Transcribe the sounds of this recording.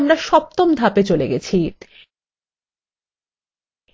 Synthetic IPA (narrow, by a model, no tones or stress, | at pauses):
mɾaʃɔp̚t̪omd̪ʱapet͡ɕoleɡet͡ɕʰi